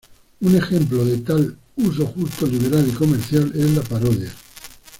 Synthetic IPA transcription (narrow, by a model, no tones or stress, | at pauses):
une̞xẽ̞mploðe̞t̪al | us̬o̞xust̪oliβe̞ɾaliko̞me̞ɾθjale̞zlapaɾoðja